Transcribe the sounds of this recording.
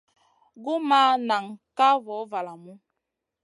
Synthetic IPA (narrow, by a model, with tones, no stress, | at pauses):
ɡu˦ma˦na˨ŋ˨ka˦vɔ˨˦va˨la˨mu˦